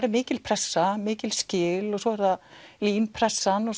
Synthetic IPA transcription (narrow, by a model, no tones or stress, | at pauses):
ɾɪmɪːcɪlpʰɾɛsːamɪːcɪlscɪːlɔɣsɔːɛɾðaliːmpʰɾɛsːanɔ